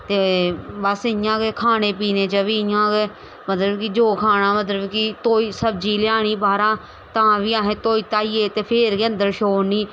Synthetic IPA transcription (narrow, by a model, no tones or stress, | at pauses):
t̪eːbəsɪjãːɡeːkʰaːneːpiːneːt͡ʃəʋiːɪjãːɡeː | mət̪ləbkid͡ʒoːkʰaːnaːmət̪̬ləbkit̪oːiːsəb̚d͡ʒiːlɪjaːɳ̃iːbaːɾãː | t̪ãːʋiːãːɦẽːt̪oːiːt̪aːiːeːt̪eːpʰeːɾɡə̃nd̪əɾʃoːniː